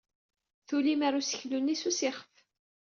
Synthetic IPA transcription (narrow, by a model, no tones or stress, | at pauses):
θulimaɾusə̥çlunːisusɪχəf